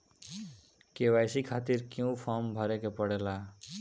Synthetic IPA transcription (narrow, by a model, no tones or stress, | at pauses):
keːʋaːjsikʰaːt̪ɪɾkjũpʰɔɾmbʱəɾekepəɽelaː